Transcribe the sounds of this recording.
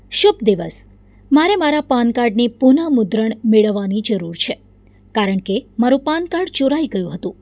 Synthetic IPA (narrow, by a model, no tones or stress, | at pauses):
ʃub̚d̪iʋəs | maɾemaɾapankaɾɖnipunamʊd̪ɾəɳmeɭəʋːanid͡ʒəɾuɾt͡ʃʰe | kaɾəɳkemaɾũpankaɖt͡ʃoɾajɡəjũɦət̪ũ